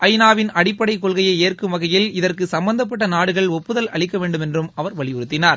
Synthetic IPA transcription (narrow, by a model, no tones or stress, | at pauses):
ʔɐjnaːʋɪnɐɽɪpːɐɽɐɪkːɔɭɣɐjɐɪeːrkɯmʋɐɣɐjɪlɪðɐrkɯsɐmbɐnd̪ɐp̬ːɐʈːɐnaːɽɯɣɐɭɔpːɯðɐlɐɭɪkːɐʋeːɳɖɯmɛndrɯmɐʋɐɾʋɐɭɪjɔɾɯt̪ːɪnaːɾ